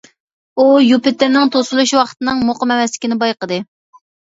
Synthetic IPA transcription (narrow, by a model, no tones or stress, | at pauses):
ujupɪt̪ːɪnɪŋt̪ʰosulˠuʃwɑχʰət̪ɨnɨŋmoqəmɛmɛslɪ̥kʲnɪbɑjqəd̪ɨ